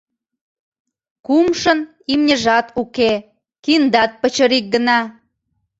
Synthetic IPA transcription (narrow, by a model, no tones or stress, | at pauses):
kumʃən | imnʲeʒɑt̪uke | kind̪ɑt̪̚pət͡ɕəɾik̚ɡənɑ